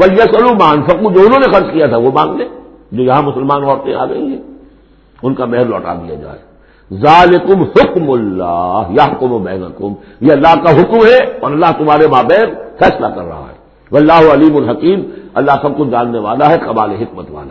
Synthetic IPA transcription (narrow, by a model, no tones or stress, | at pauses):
ʋɐljɐsɐlumaːnfɐqud͡ʒoːʊnɦõːnexɐɾt͡ʃkijat̪ʰaʋomãːŋɡle | d͡ʒoːjɐɦãmʊsəlmaːnɔːɾt̪ẽa̰ːɡɐĩɦɛ̃ː | ʊnkamɛɦɛɾlɔ̰ːʈa̰d̪ḭja̰d͡ʒa̰ːḛ | zaːlɪkʊmhʊkmʊlːa̰ːɦjaɦʊkʊmʊbɛːnɐ̰kʊm | jeɐlːaːɦkaɦʊkmɦɛɔːɾɐlːaːɦt̪ʊmaːɾemaːbɛːnfɛːslakɐ̰ɾːɐ̰ɦa̰ɦɛ̰ː | ʋɐlːaːɦʊɐliːmʊlɦɐkiːmɐlːaːɦsɐb̚kʊd͡ʒaːnːeʋaːlaɦɛqɐbaːleɦɪkmət̪ʋa̰ːla